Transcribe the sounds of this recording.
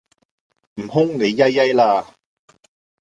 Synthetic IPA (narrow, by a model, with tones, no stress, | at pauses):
m̩˨˩hʊ˥ŋne˨˧jːɐ˥jːɐ˥jlaː˧